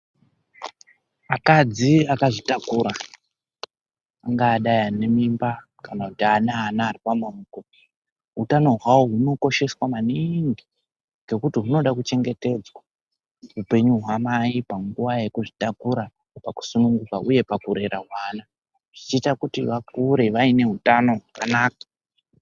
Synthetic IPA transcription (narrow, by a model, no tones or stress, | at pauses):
akad͡ziakaʐitakuɾa | aŋɡaːɗajane̞mimba | kanakutianaːnaːripamuruːko | ɦutano̞ɦwawoɦuno̞ko̞ʃe̞swamaniŋɡi | ɡe̞kutiɦuno̞ɗakut͡ʃe̞ŋɡe̞te̞d͡zwa | ɦupe̞ɲuɦwamaipaŋɡuʋaje̞kuʐitakuɾa | paku̥sunuŋɡukaʔuje̞pakuɾe̞ɾaɦwaːna | ʐ̥it͡ʃiːtakutiʋak̚uɾe̞ʋaine̞ɦutano̞ɦakanaːk̚ḁ